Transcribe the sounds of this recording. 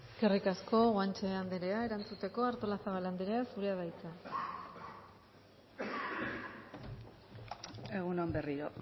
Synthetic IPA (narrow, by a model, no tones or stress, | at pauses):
skerikasko̞ɣant͡ʃeand̪eɾe̞ae̞ɾant͡sut̪e̞ko̞aɾt̪o̞lasaβaland̪eɾeasuɾeað̞ajt͡sa | e̞ɣunoamberiɾo